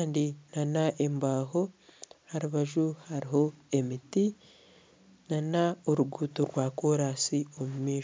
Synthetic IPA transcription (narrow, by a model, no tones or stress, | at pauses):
aːndinanaʔembaːɦo̞haɾuβaʒuhaɾiɦo̞e̞miti | nanaoɾuɡuːtoɾwaːkoɾasio̞mumiːʃ